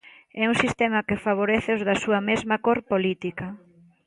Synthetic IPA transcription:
ɛuŋsist̪ɛmɐkɪfaβ̞oɾeθɪʊzðɐsuɐmezmɐkoɾpolit̪ikɐ

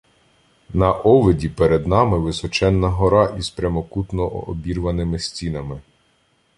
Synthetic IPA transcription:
nɐʔɔʋedʲipeɾed̪nɑmɪʋɪsɔt͡ʃɛnːɐɦɔɾɑʔizpɾʲɐmɔkut̪nɔʔːbʲirʋɐnɪmɪsʲtʲinɐmɪ

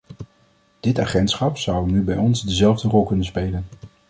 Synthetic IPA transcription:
d̥ɪtaːχɛntsχɑpsʌwnybɛjɔnzdəzɛlˠvdərɔlˠkɵnənspejlən

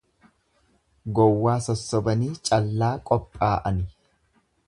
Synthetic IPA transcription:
ɡɔwːaːsɔsːɔbɐniːt͡ʃʼɐlːaːkʼɔpʼːaːʔɐnɪ

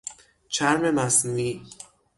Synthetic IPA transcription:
t͡ʃʰæɾme̞mæsnuːiː

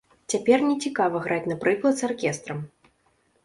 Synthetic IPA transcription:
t͡sʲapʲɛrnʲɛt͡sʲikavɐɣɾat͡sʲnɐpɾɨklˠɐt̪sarkʲɛst̪ɾɐm

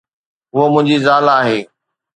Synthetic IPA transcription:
ɦʊɦomʊ̃ɦɪ̃ɲd͡ʑizaːlaːɦeː

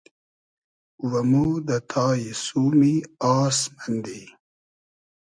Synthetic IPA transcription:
wɐmud̪ət̪ʰɑːjisuːmiɑːsmand̪i

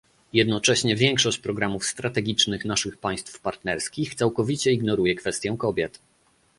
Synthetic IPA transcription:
jɛd̪nɔt͡ʂɛɕɲɛvʲjɛŋkʂɔɕt͡ɕpɾɔɡɾamufst̪ɾat̪ɛɡʲit͡ʂnɘxnaʂɘxpaj̃st̪fpaɾt̪nɛɾskʲixt̪sawkɔvʲit͡ɕɛiɡnɔɾujɛkfɛst̪ʲjɛ̃w̃kɔbʲjɛt̪

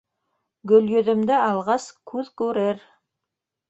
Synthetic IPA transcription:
ɡɵ̆ljɵ̆ðɘ̆md̪ɘɑlˠʁɑskʰʉðkʉɾɘɾ

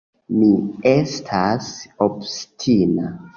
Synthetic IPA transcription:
miestʰasobstʰina

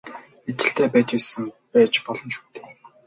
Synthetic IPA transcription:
et͡ɕɪ̆ɬt̪ʰeːpæːt͡ɕisɘ̆mpæːt͡ɕpɔɮɞ̆nʃu̥ːt̪ʰeː

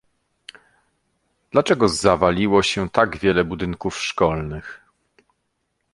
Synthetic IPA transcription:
d̪̥lat͡ʂɛɡɔzavalʲiwɔɕɛt̪aɡvʲjɛlɛbud̪ɘŋkufʂkɔlnɘx

